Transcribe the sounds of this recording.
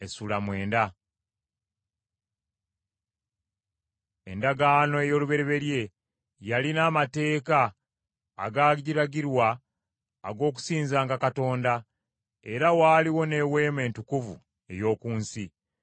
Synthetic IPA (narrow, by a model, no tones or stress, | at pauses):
e̞sulamwe̞ːnda | e̞̰ndaɡaːno̞e̞jo̞ːluβe̞ɾeβe̞ɾje̞ | jalinaːmate̞ːka̰ː | ɡaːɟiɾaɟiɾwaː | ɡo̞ːk̬u̥siːnzaːŋɡakato̞ːnda | e̞ɾawaːliwo̞ne̞we̞ːme̞ːntukuvṵ | e̞̰jo̞ːkuːnsi